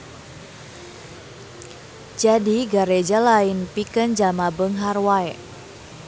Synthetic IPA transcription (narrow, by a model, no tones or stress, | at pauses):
d͡ʒadiɡaɾed͡ʒalainpikənd͡ʒamabəŋɦarwaɛ